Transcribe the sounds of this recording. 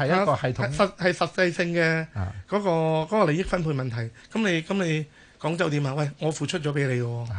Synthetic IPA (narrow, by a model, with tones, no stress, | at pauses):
hɐ˨jɐkɔː˧hɐ˨jt̪ʰsɐ˨t̚hɐ˨jsɐ˨t̚t͡sːɐ˧jsɪ˧ŋkɛː˧kɔː˨˥kɔː˧kɔː˨˥kɔː˧le˨˧jɪ˥k̚fɐ˥npʰuː˧nmɐ˨nt̪ʰɐ˨˩jkɐ˨˥mne˨˧jkɐ˨˥mne˨˧j | kɔː˨˥ŋt͡sɐ˨˥wt̪iː˨˥maː˧wɐ˥˩jŋɔː˨˧fuː˨t͡ʃʰt̚t͡ʃɔː˨˥p̬e˨˥jle˨˧jkɔː˧